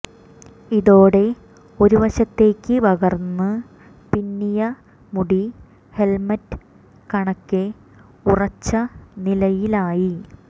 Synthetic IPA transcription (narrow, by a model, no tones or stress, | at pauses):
iðo̞ːɽe̞ | o̞ɾuʋɐɕɐt̪ːe̞ːkːɨʋɐɣɐrnːɨ | pinːijɐ | muɽi | he̞lmɐtɨ̥ | kɐɳɐkːɨ | urɐt͡ɕːɐnilɐjilaːji